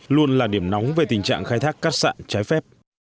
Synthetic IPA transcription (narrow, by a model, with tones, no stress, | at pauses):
lu˧ənlaː˨˩ɗi˧˩əmna˨˦wŋ͡mve˨˩t̪ï˨˩ŋ̟t͡ɕa̰ː˧˨ŋxaː˧jt̪ʰaː˦˥kːaː˦˥t̚sa̰ː˧˨nt͡ɕaː˨˦jfɛ˦˥p̚